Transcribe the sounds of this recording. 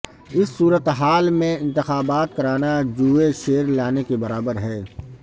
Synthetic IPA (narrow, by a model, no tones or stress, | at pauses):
ɪsːuːɾət̪ɦaːlmẽɪ̃nt̪ɪxaːbaːt̪kɐɾaːnad͡ʒuːeʃeːɾlaːnekebɐɾaːbəɾɦɛː